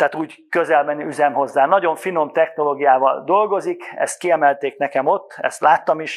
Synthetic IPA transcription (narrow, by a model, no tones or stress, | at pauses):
t̪ɛːt̪uːɟ | køzɛlbɛnyzɛmɦo̞zːaːnɒɟo̞ɱfino̞mt̪ɛxno̞loːɡijaːvɒ̰ld̪o̞lɡo̞zikɛ̰st̪̚kiɛmɛlt̪eːknɛkɛmo̞t̪ːɛ̰st̪laːt̪ːɒmiʃ